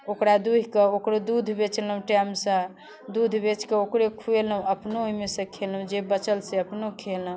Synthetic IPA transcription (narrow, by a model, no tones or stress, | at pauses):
okɾad̪uɦkeokɾod̪ud̪ʱbet͡ʃləũʈɛmsə̃ | d̪ud̪ʱbet͡ʃkeokɾekʰueləũəpnoɦmesə̃kʰelũd͡ʒebət͡ʃəlseəpnokʰelə̃